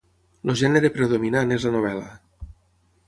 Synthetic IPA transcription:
loʒɛneɾepɾeðominanezlanoβ̞ɛla

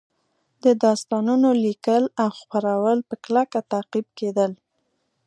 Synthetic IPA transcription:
d̪əd̪ɑst̪ɑnunolikəlawxpaɾawəlpəklakat̪aqib̚ked̪əl

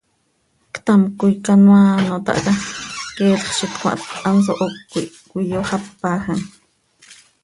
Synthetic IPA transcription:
kt̪amkujkanwaːnot̪ɑ̰ʔkɑkɛːlχʃit̪kʷa̰ʔt̪ʼans̬oʔokːi | kʷijoχapːaːxan

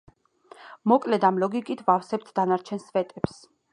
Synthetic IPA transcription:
mɔkʼlɛd̪amlɔɡikʼit̪ʰvafsɛp̚t̪ʰd̪anaɾt͡ʃʰɛnsvɛt̪ʼɛps

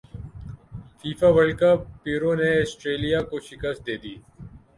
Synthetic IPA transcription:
fiːfaːʋəɭkapːiːɾõːneɐsʈɾeːlijaːkoʃɪkəst̪̚d̪eːd̪iː

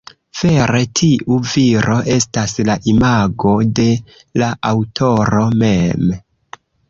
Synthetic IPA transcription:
v̥e̞ɾe̞tʰiʔuviɾʔo̞ʔe̞staslaʔimaɡo̞de̞ | laʔawtʰo̞ɾo̞me̞m

